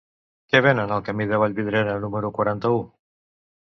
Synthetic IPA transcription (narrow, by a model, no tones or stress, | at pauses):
keβenənəlˠkəmiðəβ̞aʎβiðɾenənuməɾukwaɾant̪əu